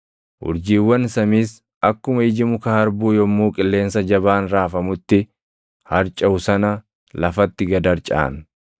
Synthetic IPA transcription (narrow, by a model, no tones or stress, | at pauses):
ʔʊ̰ɾd͡ʒiːwːɐnsɐmiːs | ɐkːʊmɐɪd͡ʒɪmʊkɐhɐɾbuːjɔmːuːkʼɪlːe̞ːnsɐd͡ʒɐbaːnɾaːfɐmʊt̪ːɪ | hɐɾt͡ʃʼːɐʊsɐnɐ | lɐfɐt̪ːɪɡɐd̪ɐɾt͡ʃʼa̰ːn